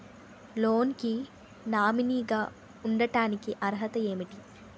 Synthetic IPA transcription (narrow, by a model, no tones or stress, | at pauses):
loːnki | naːminiːɡaː | uɳɖɐʈaːnikiʔɐɾɦɐt̪ɐe̞ːmiʈi